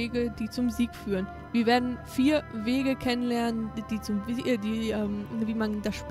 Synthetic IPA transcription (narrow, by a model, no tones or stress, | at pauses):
eːɡədiːt͡sʊmziːkfyːʁən | viːɐveːɐdn̩fiːɐveːɡəkʰɛnənlɛɐnənd̥iːt͡sʊmvdiːʔɛːmviːmandasʃp